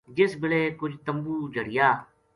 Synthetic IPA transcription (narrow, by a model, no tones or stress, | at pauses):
d͡ʒɪsbɪleːkʊd͡ʒt̪əmbuːd͡ʒʱəɽɪjaː